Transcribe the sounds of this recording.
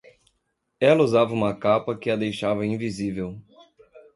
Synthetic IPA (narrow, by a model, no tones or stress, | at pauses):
ɛlɐuzavɐũmɐkapɐkɪɐd̪ejʃavɐĩvizivew